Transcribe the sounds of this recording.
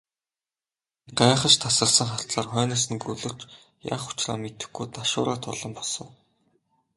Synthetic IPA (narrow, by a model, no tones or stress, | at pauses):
ɢaːχə̆t͡ɕt̪ʰasə̆rsə̆ŋχar̥t̪ɮaːrχœːnaːs̬ə̆nɡɵɮɵ̆rt͡ɕ | ja̰ːχʊ̥t͡ɕra̰ːmet̪ɘ̆xɡujt̪aʃʊ̰ːɾaːt̪ʰʊɮə̆mpɔ̥sə̆w